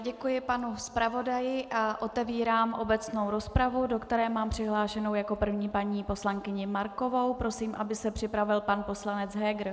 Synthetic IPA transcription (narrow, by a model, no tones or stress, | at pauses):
ɟɛkujɪpanuspɾavo̞dajɪʔaʔo̞t̪ɛviːɾaːmʔo̞bɛt͡sno̞wɾo̞spɾavudo̞kt̪ɛɾɛːmaːmpr̝̥ɪɦlaːʃɛnowjako̞pr̩vɲiːpaɲiːpo̞slaŋkɪɲɪmaɾko̞vo̞wpɾo̞siːmʔabɪsɛpr̝̥ɪpɾavɪlpanpo̞slanɛt͡sɦɛɡɾ̩